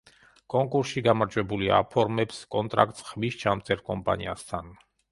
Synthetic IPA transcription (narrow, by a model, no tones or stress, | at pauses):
kʼɔŋkʼuɾsiɡamaɾd͡ʒwɛbulia̰pʰɔɾmɛpskʼɔnt̪ʼɾa̰k̚ʼt̪ʼsχmist͡ʃʰamt̪sʰʼɛɾkʼɔmpʼa̰nia̰st̪ʰan